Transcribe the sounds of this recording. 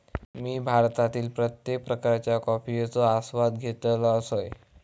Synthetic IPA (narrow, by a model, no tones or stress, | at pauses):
miːbʱaɾt̪at̪iːlpɾət̪jek̚pɾəkaɾt͡ɕjakɔpijet͡soasʋad̪̚ɡʱet̪laəsoj